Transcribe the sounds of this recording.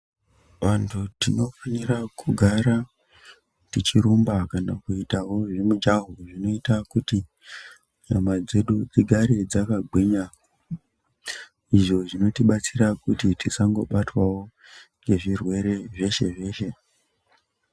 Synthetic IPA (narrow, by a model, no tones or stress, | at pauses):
ʋantʰutino̞fanirakʰuɡʱaɾa | tit͡ʃiɾumbakanakuitawo̞ʐimud͡ʒaɦuʐino̞itakuti | ɲamad͡ze̞ɗud͡ziɡʱaɾed͡zakaɡwiɲa | iʐo̞ʐino̞tiɓat͡siɾakutitisaŋɡo̞ɓatwawo̞ | ŋɡe̞ʐirwe̞ɾe̞ʐe̞ʃe̞ʐe̞ːʃe̞